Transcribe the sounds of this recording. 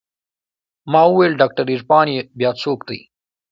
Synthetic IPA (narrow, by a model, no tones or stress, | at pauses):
mɑːuwelɖɑːk̚ʈaɾiʐpɑːnjebjɑːt͡soːkd̪əj